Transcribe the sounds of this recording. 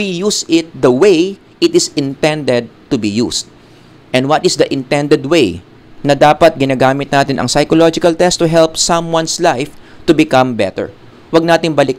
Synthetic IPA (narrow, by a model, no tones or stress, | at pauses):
wijusɪt̪̚d̪ɐwej | ʔɪt̪ɪsɪ̃nt̪ɛ̃nd̪ɛd̪̚t̪ʊbijṵsd̪̚ | ʔɛnd̪wɐt̪ɪsd̪ɐʔɪ̃nt̪ɛ̃nd̪ɛd̪̚wej | nɐd̪aːpɐt̪̚ɡɪnaːɡaːmɪt̪̚naːt̪ɪnʔɐ̰ŋsɐjkolod͡ʒɪkɐlt̪ɛst̪ːʊɦɛlpsɐ̃mwɐ̃nslajft̪ʊbɪkɐ̃mbɛt̪ɛ̰ɹ | wɐɡ̚naːt̪ɪŋbɐlɪk̚